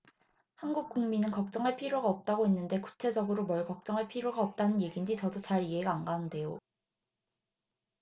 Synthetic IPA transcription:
hanɡuk̚k͈uŋminɯnkʌk̚t͡ɕ͈ʌŋɦaɭpʰiɾjoɡaʌp̚t͈aɡoɦenːɯnde̞ku̥t͡ɕʰe̞d͡ʑʌɡɯɾomʌɭkʌk̚t͡ɕ͈ʌŋɦaɭpʰiɾjoɡaʌp̚t͈anɯnje̞ɡind͡ʑit͡ɕʌdot͡ɕaɾiɦe̞ɡaːnɡanɯnde̞jo

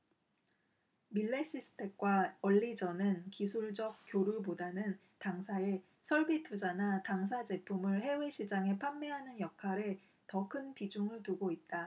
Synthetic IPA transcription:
miɭːeɕ͈ʰisʰɯ̥tʰe̞k̚k͈waʌʎːid͡ʑʌnɯnkisʰuɭd͡ʑʌk̚k͈joɾubodanɯn | taŋsʰae̞ | sʰʌɭbitʰud͡ʑanataŋs̬ʰad͡ʑe̞pʰumɯɭhe̞we̞ɕʰid͡ʑaŋe̞pʰamːe̞ɦanɯnjʌkʰaɾe̞ | tʌkʰɯnpid͡ʑuŋɯɭtuɡoit̚t͈a

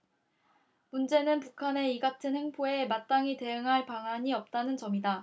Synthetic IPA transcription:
mund͡ʑe̞nɯnpukʰane̞iɡatʰɯnhe̞ŋpʰoe̞mat͈aŋite̞jɯŋɦaɭpaŋɦaɲiʌp̚t͈anɯnt͡ɕʌmida

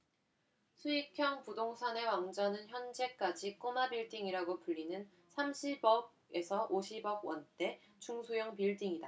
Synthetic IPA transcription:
sʰuikʰjʌŋpudoŋsʰane̞waŋd͡ʑʌnɯnçjʌnd͡ʑe̞k͈ad͡ʑik͈omabiɭtiŋiɾaɡopuʎːinɯn | sʰamɕʰibʌb̚ | e̞sʰʌʔoɕʰibʌɡwʌnt͈e̞ | t͡ɕuŋsʰujʌŋpiɭtʰiŋida

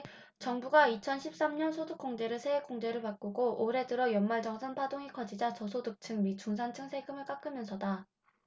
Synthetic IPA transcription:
t͡ɕʌŋbuɡait͡ɕʰʌnɕʰip̚s͈amɲʌnsʰodɯk͈̚oŋd͡ʑe̞ɾɯɭsʰeek͈oŋd͡ʑe̞ɾɯɭpak͈uɡoʔoɾe̞dɯɾʌjʌnmaɭd͡ʑʌŋsʰanpʰadoŋikʌd͡ʑid͡ʑat͡ɕʌsʰodɯk̚t͡ɕʰɯŋmit͡ɕ͈uŋsʰant͡ɕʰɯŋsʰe̞ɡɯmɯɭk͈ak͈ɯmjʌnsʰʌda

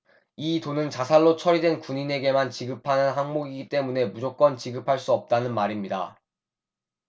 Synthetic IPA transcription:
itonɯnt͡ɕasʰaɭːot͡ɕʰʌɾidwe̞nkuɲine̞ɡe̞mant͡ɕiɡɯpʰanɯnɦaŋmoɡiɡit͈e̞mune̞mud͡ʑok̚k͈ʌnt͡ɕiɡɯpʰaɭs͈uʌp̚t͈anɯnmaɾimɲida̰

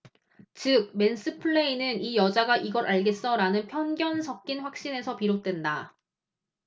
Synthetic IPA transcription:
t͡ɕɯk̚me̞ns͈ʰɯpʰɯɭːe̞inɯnijʌd͡ʑaɡaʔiɡʌɾʔaɭɡe̞s͈ʌɾanɯnpʰjʌnɡjʌnsʰʌk̚k͈inɸwak̚ɕ͈ine̞sʰʌpiɾot̚t͈we̞nda

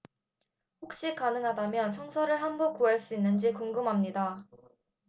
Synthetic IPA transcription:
ɸok̚ɕ͈ikanɯŋɦadamjʌnsʰʌŋsʰʌɾɯɭɦambok͈uɦaɭs͈uinːɯnd͡ʑikuŋɡɯmɦamɲida

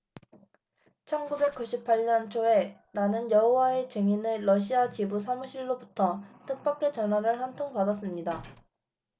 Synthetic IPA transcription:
t͡ɕʰʌnɡube̞k̚k͈uɕʰipʰaʎɲʌnt͡ɕʰoe̞nanɯnjʌɦowae̞t͡ɕeŋineɾʌɕʰiat͡ɕibusʰamuɕʰiɭːobutʰʌtʰɯk̚p͈ak͈̚e̞t͡ɕʌnɦwaɾɯɭhantʰoŋpadas̬͈ɯmɲida

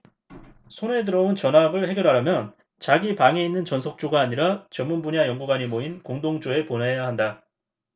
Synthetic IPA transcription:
sʰone̞dɯɾʌunt͡ɕʌnɦabɯɭhe̞ɡjʌɾɦaɾamjʌn | t͡ɕaɡipaŋe̞inːɯnt͡ɕʌnsʰʌk̚t͡ɕ͈oɡaːɲiɾat͡ɕʌmːunbuɲajʌŋɡuɡwaɲimoinkoŋdoŋd͡ʑoe̞ponejaɦanda

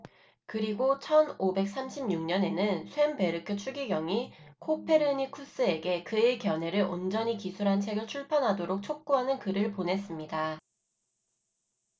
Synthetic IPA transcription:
kɯɾiɡot͡ɕʰʌnobe̞k̚s͈amɕʰibɲuŋɲʌne̞nɯnsʰwe̞mpe̞ɾɯkʰɯt͡ɕʰuɡiɡjʌŋikʰopʰe̞ɾɯɲikʰus͈ɯe̞ɡe̞kɯekjʌne̞ɾɯɭond͡ʑʌɲikisʰuɾɦant͡ɕʰe̞ɡɯɭt͡ɕʰuɭpʰjʌnɦadoɾok̚t͡ɕʰok̚k͈uɦanɯnkɯɾɯɭponɦe̞s͈ɯmɲida

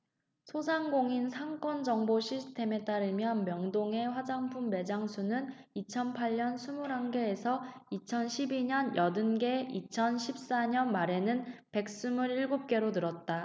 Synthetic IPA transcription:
sʰosʰaŋɡoŋinsʰaŋk͈ʌnd͡ʑʌŋboɕʰisʰɯ̥tʰe̞me̞t͈aɾɯmjʌnmjʌŋdoŋe̞ɸwad͡ʑaŋpʰumːe̞d͡ʑaŋsʰunɯn | it͡ɕʰʌnpʰaɭɲʌnsʰumuɾɦaŋɡe̞ːsʰʌit͡ɕʰʌnɕʰibiɲʌnjʌdɯnɡe̞it͡ɕʰʌnɕʰip̚s͈aɲʌnmaɾe̞nɯnpe̞k̚s͈ɯmuɾiɭɡop̚k͈e̞ɾonɯɾʌt̚t͈a

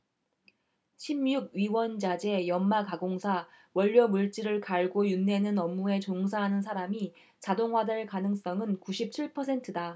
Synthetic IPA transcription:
ɕʰimjuɡ̚ɥiwʌnd͡ʑad͡ʑe̞jʌmmakaɡoŋsʰa | wʌʎːʌmuɭt͡ɕ͈iɾɯɭkaɭɡojunːe̞nɯnʌmːue̞t͡ɕoŋs̬ʰaɦanɯns̬ʰaɾami | t͡ɕadoŋɦwadɯɭkanɯŋs͈ʌŋɯnkuɕʰip̚t͡ɕʰiɭpʰʌsʰe̞ntʰɯda

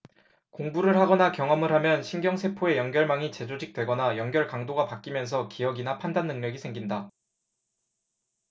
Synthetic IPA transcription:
koŋbuɾɯɭɦaɡʌnakjʌŋɦʌmɯɭhamjʌnɕʰinɡjʌŋsʰe̞pʰoe̞jʌŋɡjʌɭmaŋit͡ɕe̞d͡ʑod͡ʑʰik̚t͈we̞ɡʌnajʌŋɡjʌɭkaŋdoɡapak͈imjʌns̬ʰʌkijʌɡinapʰandanːɯŋɲʌɡisʰeŋɡinda

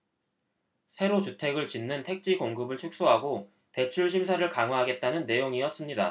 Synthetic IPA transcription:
sʰe̞ɾot͡ɕutʰe̞ɡɯɭt͡ɕinːɯntʰe̞k̚t͡ɕ͈ikoŋɡɯbɯɭt͡ɕʰuk̚s͈oɦaɡo | te̞t͡ɕʰuɭɕʰimsʰaɾɯɭkaŋɦwaɦaɡe̞t̚t͈anɯnːe̞joŋiʌs͈ɯmɲida̰

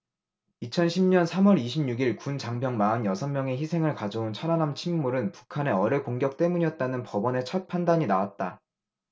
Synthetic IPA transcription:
it͡ɕʰʌnɕʰimɲʌnsʰamwʌɾiɕʰimɲuɡiɭkunt͡ɕaŋbjʌŋmaɯnjʌsʰʌnmjʌŋe̞çisʰe̞ŋɯɭkad͡ʑount͡ɕʰʌɾanamt͡ɕʰimːuɾɯnpu̥kʰane̞ʌɾʌkoŋɡjʌk̚t͈e̞muɲijʌt̚t͈anɯnpʌbʌne̞t͡ɕʰʌt̚pʰandaɲinawat̚t͈a

